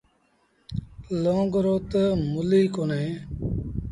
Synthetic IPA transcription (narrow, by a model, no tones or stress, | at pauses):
loːŋɡɾoːt̪əmʊliːkoːneː